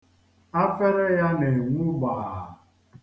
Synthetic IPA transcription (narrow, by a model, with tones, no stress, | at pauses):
a˦fe˦ɾe˦ja˦ne˨ŋʷu˦ɡ͡ba˨ɦa˨